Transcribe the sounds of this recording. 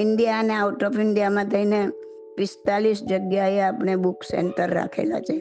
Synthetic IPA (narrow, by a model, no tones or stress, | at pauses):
ɪɳɖijaəneawʈɔpɪɳɖijamãt̪ʰəine | pɪst̪alisd͡ʒəɡjaeapəɳ̃ebuksḛɳʈəɾːa̰kʰḛla̰t͡ʃʰe